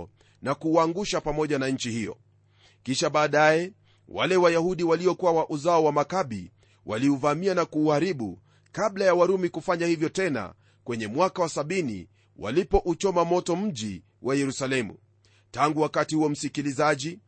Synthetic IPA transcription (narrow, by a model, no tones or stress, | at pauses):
nakuːaŋɡuʃapamɔʄanaɲ̩t͡ʃihijɔ̰ | kiʃaɓaːɗajɛ | wa̰lɛwajahuɗiwaliɔkuwawaʔuzaɔwamakaɓi | wa̰liuvamianakuːhaɾiɓṵ | kaɓlajawaɾumikufaɲahivjɔtɛna̰ | kwɛɲɛmwakawasaɓinḭ | wa̰lipɔʔut͡ʃɔmamɔtɔm̩ʄi | wʔajɛɾusalɛmṵ | taŋɡuwakatihuɔm̩sikilizaʄi